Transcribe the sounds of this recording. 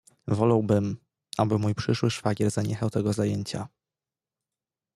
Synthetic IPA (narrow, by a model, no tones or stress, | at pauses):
vɔlawbɘm | ʔabɘmujpʂɘʂwɘʂfaɡʲɛɾzaɲɛxawt̪ɛɡɔzajeɲt͡ɕa